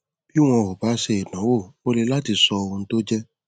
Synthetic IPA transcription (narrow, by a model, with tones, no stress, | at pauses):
b̥i˦w̃ɔ̃˧˨ɦo˨ba˨˦ʃe˧˨e˨nã˨˦wo˦˨o˧le˦˧˦la˦ti˧sɔ˧o˧ũ˧n̩˦to˦d͡ʒɛ˦